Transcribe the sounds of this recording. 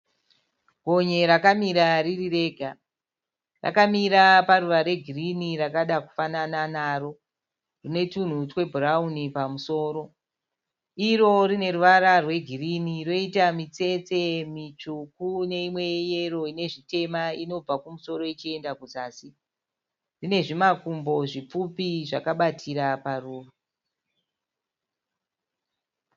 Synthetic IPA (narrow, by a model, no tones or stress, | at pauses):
ɡʱo̞ɲe̞ɾakamiɾaririre̞ːɡʱa | ra̰kamiɾaparuʋaɾe̞ɡʱiriniɾakaɗaku̥fanananaːɾo̞ | rine̞tun̤utwe̞bʱuraunipamuso̞ːɾo̞ | iɾo̞rine̞ruʋaɾarwe̞ɡʱiriniro̞itamit͡se̞t͡se̞mit͡ʃukune̞imwe̞jero̞ine̞ʐite̞maino̞b͡vakumuso̞ɾo̞it͡ʃie̞ndakuzaːsi | rine̞ʐimakumbo̞ʐip͡fupiʐakaɓatʰiɾaparuːru